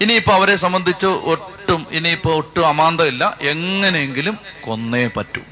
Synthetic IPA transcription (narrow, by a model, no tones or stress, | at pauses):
iniipːoɐʋɐɾe̞sɐmbɐnd̪ʱit͡ɕːɨoʈːuminiːpːoːoʈːumɐmaːnd̪ɐilːɐʔe̞ŋːɐnejeŋɡilumko̞nːepɐtːṵm